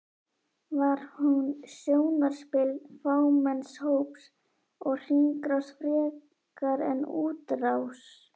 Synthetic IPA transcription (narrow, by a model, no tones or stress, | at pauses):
vaɾ̥hunsjoːwnaɾ̥spɪlfaːwmɛnshowps | ɔɣr̥iŋkɾasfɾɛː | kaɾɛ̰nuːt̪raws